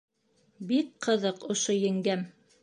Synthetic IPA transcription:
bikqɤ̆ðɤqŏʃojɘ̆ŋɡæm

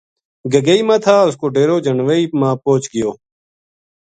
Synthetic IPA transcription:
ɡəɡəiːmãːt̪ʰaːʊskoːɖeːɾoːd͡ʒənʋəiːmãːpoːt͡ʃɡɪjoː

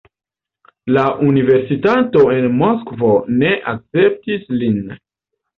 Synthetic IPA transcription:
laʔunive̞ɾsitato̞e̞nmo̞skvo̞ne̞ʔak̚t͡se̞p̚tislin

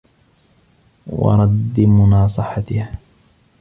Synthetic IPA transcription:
wɑ̰ɾˤɑd̪ːmʊnɑːsˤɨħat̪ɪha

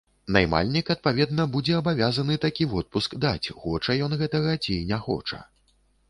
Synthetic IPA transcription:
najma̰lʲnʲikɐt̪̚pavʲɛd̪nɐbud͡zʲɛɐbavʲazɐnɨt̪akʲivɔt̪̚puskd̪at͡sʲxɔt͡ʂɐjɔnɣɛt̪ɐɣɐt͡sʲinʲɛxɔ̰t͡ʂɐ̰

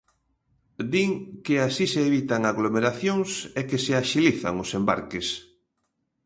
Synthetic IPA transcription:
d̪iŋkeasiseːβit̪aŋaɣlomeɾaθjoŋsekeseaʃiliθa̰ŋʊsemba̰ɾkes

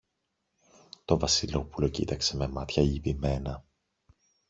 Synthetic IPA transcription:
t̪o̞vɐsilo̞pulo̞cḭt̪ɐkse̞me̞mɐt̪çɐipime̞nɐ

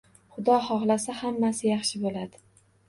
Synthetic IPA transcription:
χʊd̪ɒhɒχlasahamːasɪjɑχʃɪbolad̪ɪ

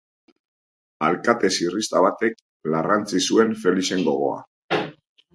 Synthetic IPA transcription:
alkat̪e̞sirist̪aβat̪e̞k̚ | larant͡sisue̞ɱfe̞lise̞ŋɡo̞ɣ̞o̞̰a̰

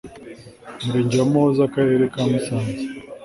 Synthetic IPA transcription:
muɾiːɲɟamozakaɾe̞ːɾekamusaːnze

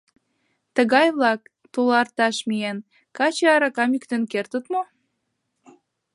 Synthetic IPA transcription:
t̪əɣɑjβlɑk | t̪ulɑrt̪ɑʃmien | kɑt͡ɕeɑɾɑkɑmykt̪enkert̪ə̆t̪mo

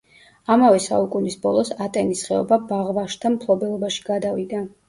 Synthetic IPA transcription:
amavɛsa̰ukʼunisbɔlˠɔsat̪ʼɛnisχɛɔ̰babaʁvaʃt̪ʰampʰlˠɔbɛlˠɔbaʃi̥ɡad̪avid̪a

